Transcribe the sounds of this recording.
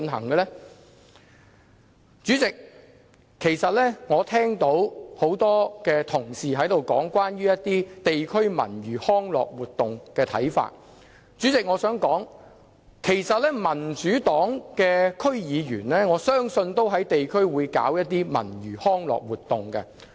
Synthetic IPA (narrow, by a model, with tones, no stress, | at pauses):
nɦɐ̰˨˩ŋkɛ˧lɛ˥ | t͡ʃyː˨˥t͡sɪ˨kʰː | e˨˩jsɐ˨t̚lɛː˥ŋɔː˨˧t̪ʰɛː˥ŋt̪o˨˥who˨˥wt̪ɔː˥kɛː˧t̪ʰʊ˨˩ŋsiː˨ɦɐ˨˥jt̪o˨wkɔ̰ː˨˥ŋkwaː˥nɥyː˥jɐ˥t̚t̪iː˥t̪e˨jkʰɵ˥ɥmɐ̰˨˩nɥyː˨˩hɔː˥ŋlɔ̰ː˨k̚wuː˨˩t̚t̪ːʊ˨ŋkɛː˧t̪ʰɐ̰˨˥jfa̰ː˧˨t̚ | t͡syː˨˥t͡sɪ˨k̚ŋɔː˨˧sœː˨˥ŋkɔː˨˥ŋ | kʰe˨˩jsɐ˨t̚lɛː˥mɐ˨˩nt͡ʃyː˨˥t̪ɔː˨˥ŋkɛː˧kʰɵ˥ɥjiː˨˧ɥyː˨˩nlɛː˥ŋɔː˨˧sœː˥ŋsɵ˧nt̪o˥wɦɐ˨˥jt̪e˨jkʰɵ˥ɥwuː˨˧jka̰ː˨˥wjɐ˥t̚t̪ːiː˥mɐ̰˨˩nɥyː˨˩hɔː˥ŋlɔ̰ː˨k̚wuː˨t̚t̪ːʊ˨ŋkɛ˧